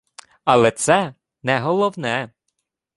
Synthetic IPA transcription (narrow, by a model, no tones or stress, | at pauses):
ɐlˠɛt̪sɛ | nɛɦɔlˠɔwnɛ